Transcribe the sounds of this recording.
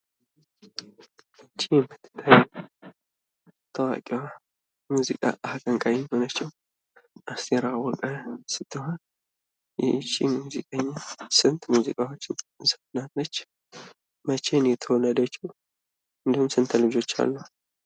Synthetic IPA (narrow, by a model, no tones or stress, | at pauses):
t͡ʃʰːiɛmːɨt̪ʰːɨ̥t̪ʰːajɛ | t̪ʰəwa̰kʼiwa | muzḭkʼa̰ʔakʼəŋkʼajinho̞nat͡ʃːɛw | ʔast̪ʰeɾawɔkʼəsɨt̪ʰːɨɦon | jɛ̰t͡ʃːḭmuzḭkʼəɲːasɨnt̪muzikʼawot͡ʃːɪnsə̥fnalːət͡ʃː | mət͡ʃenjɛt̪ʰəwɔnəd̪ət͡ʃːw | ʔɨnd̪əhumsɨnt̪ʰəlɨd͡ʒo̞t͡ʃːa̰lːu